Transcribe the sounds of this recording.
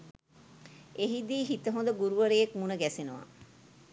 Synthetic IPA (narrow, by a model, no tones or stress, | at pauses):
eɦid̪iːɦit̪əɦõnd̪əɡuɾuʋəɾejekmunəɡæsenuʋa̰